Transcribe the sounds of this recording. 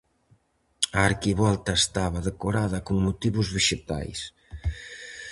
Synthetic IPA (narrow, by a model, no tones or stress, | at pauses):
aːɾkiβɔlt̪aest̪aβaðəkoɾaðakuŋmut̪iβuzβeʒet̪a̰js